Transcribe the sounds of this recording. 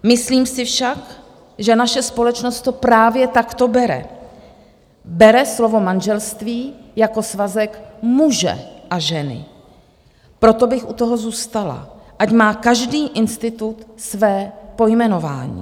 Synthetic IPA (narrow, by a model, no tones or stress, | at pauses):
mɪsliːmsɪfʃak | ʒɛnaʃɛspo̞lɛt͡ʃnost̪ːopɾaːvjɛt̪akt̪o̞bɛɾɛ̰ | bɛɾɛslo̞vo̞manʒɛlst̪viːjako̞svazɛkmuʒɛ̰ʔaʒɛnɪ̰ | pɾo̞t̪o̞bɪxut̪o̞ɦo̞zuːst̪ala̰ʔacmaːkaʒdiːʔɪnst̪ɪt̪ut̪svɛːpo̞jmɛno̞va̰ːɲḭː